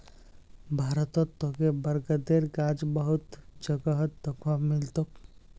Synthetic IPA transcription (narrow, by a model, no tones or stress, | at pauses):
bʱaːɾət̪ɔt̪ːokebəɾɡəd̪eːɾkad͡ʒbəɦʊt̪d͡ʒəɡəɦət̪̚d̪əkʰwamɪlt̪ok